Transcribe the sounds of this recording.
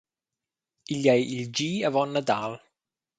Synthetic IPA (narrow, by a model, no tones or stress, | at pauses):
iʎɛjʔild͡ʒiːəvɔnːədaːlˠ